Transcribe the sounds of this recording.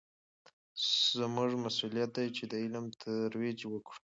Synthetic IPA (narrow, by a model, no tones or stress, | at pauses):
zmuʐmasulijat̪̚d̪ajt͡ʃed̪əɪlmt̪ʰəɾwed͡ʒwəkɽu̥